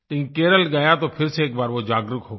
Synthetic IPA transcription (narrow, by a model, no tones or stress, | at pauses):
t̪ɪ̃ĩkeːɾəlɡaːjat̪oːpʰɪɾseːkbaːɾʋod͡ʒaːɡɾʊkʰɦoː